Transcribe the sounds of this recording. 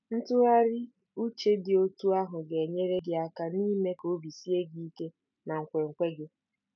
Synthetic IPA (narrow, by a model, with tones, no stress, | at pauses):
n̩˦tʊ˦a˦ɾɪ˦ | u˦t͡ʃe˦dɪ˨o˦tu˦a˦ɦʊ˨ɡe˨ɲe˦ɾe˦ɡɪ˦a˦ka˦ni˦me˦ko˨˦bi˨si˦e˦ɡi˦i˦ke˦ | na˨ŋ̩˨kʷe˨ŋ̩˨kʷe˦ɡɪ˦